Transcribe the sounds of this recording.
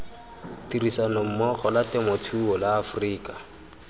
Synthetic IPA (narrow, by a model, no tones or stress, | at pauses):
tirisanɔm̩mɔχɔlatɪmɔtʰuɔlaːfriːkḁ